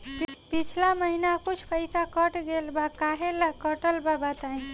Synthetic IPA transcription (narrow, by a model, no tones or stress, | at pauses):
ppit͡ʃʰlaməɦinakut͡ʃʰpʰəjsakəʈɡelbakaɦelakəʈəlbabət̪aĩ